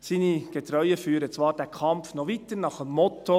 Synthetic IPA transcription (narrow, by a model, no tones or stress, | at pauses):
siːniɡ̥ɛt̪ɾœʏəfyːɾət͡sʋɑːɾdæːkʰɑmpfnɔʋit̪əɾnɑχəmːɔt̪o